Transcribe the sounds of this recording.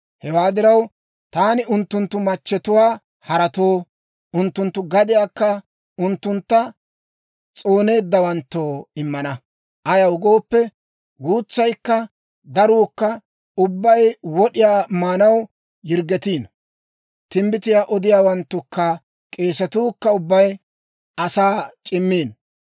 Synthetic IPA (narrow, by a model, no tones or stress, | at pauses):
hɛwaːd̪ɪɾɐw | t̪aːnɪʔʊnt̪ːʊnt̪ːʊmɐt͡ʃːɛt̪ʊwaː | hɐɾɐt̪oː | ʊnt̪ːʊnt̪ːʊɡɐd̪ɪjaːkːɐ | ʊnt̪ːʊnt̪ːɐ | t͡sʼo̞ːne̞ːd̪ːɐwɐnt̪ːo̞ːɪmːɐnɐ | ʔɐjɐwʊɡo̞ːpːɛ | ɡuːt͡sːɐjkːɐ | d̪ɐɾuːkːɐ | ʊbːɐjwɔɗɪjaːmaːnɐw | jɪɾɡɛt̪iːn | t̪ɪmbɪt̪ɪjaːʔɔd̪ɪjaːwɐnt̪ːʊkːɐ | kʼe̞ːsɐt̪uːkːɐʊbːɐj | ɐsaːt͡ʃʼɪmːiːn